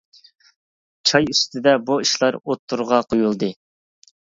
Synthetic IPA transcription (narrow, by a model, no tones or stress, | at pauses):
t͡ʃʰɑjyst̪ʰɪd̪ɛbuiʃlˠɑɾot̪ʰːuɾʁɑqʰojulˠd̪ɨ